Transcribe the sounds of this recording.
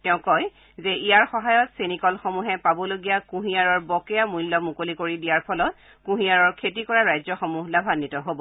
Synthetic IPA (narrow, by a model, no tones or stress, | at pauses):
tɛʊ̃kɔj | zɛijaɹxɔɦajɔtsenikɔlxomuɦɛpabɔloɡijakũɦijaɹɔɹbɔkɛjamujlːɔmukolikoɹidijaɹpʰɔlɔt | kũɦijaɹɔɹkʰetikɔɹaɹajzɔxomuɦlabʱanːitɔɦobɔ